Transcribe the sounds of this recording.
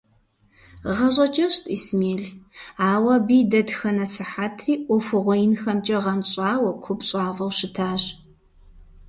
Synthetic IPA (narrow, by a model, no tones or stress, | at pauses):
ʁɐɕʼɐt͡ʃʼɐɕtʰʼismeːɮaːwɐbiːdɐdxɐnɐsɨħaːtʰriːʔʷɔfɨʁʷɔjɪnxɐmt͡ʃʼɐʁɐnɕʼaːwɐkʷʰʊpɕʼaːvɐwɕɪtʰaːɕ